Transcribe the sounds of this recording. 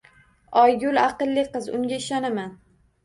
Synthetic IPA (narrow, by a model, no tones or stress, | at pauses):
ɒjɡʲʊlaqɨlːɪqɨzʊŋɡʲaɪʃɒnaman